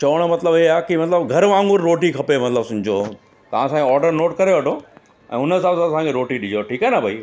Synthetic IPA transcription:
t͡ɕɐʋəɽ̃mɐt̪ləbɪakimɐt̪ləbɡʱɐɾʋãːŋɡʊɾːoːʈikʰɐpemɐt̪ləbsʊ̃ɲd͡ʑo | t̪ɐʋ̤ãsãːɡeɔːɾɖəɾnoːʈkɐɾeʋɐʈʰo | ɛ̰̃ːʊnəɪsaːbsãt̪ɐsãŋkʰeɾoːʈiɗɪd͡ʑoʈʰiːkaːenɐbʱai

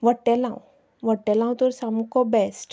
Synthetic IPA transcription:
ʋəʈːɛlã̰w | ʋəʈːɛlãw̃t̪ɔɾsamkɔbɛsʈ

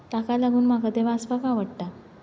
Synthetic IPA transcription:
t̪akalaɡuːnmaɡad̪eʋaːspakaʋəɽʈa

